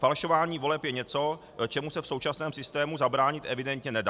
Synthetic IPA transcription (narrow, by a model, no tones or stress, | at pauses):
falʃo̞vaːɲiːvo̞lɛpjɛɲɛt͡so̞ | t͡ʃɛmusɛfso̞wt͡ʃasnɛːmsɪst̪ɛːmuzabɾaːɲɪt̪ʔɛvɪdɛnt̪ɲɛnɛda